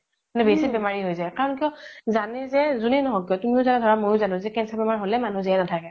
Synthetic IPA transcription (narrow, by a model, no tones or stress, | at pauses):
nɛbesibɛmaɹiɦojzajkaɹɔnkijɔzanɛzɛzunɛnɔɦɔkijɔtumiʊzanadʱɔɹamojʊzanʊ̃zɛkɛnsabɛmaɹɦolɛmanũziɛnatʰakɛ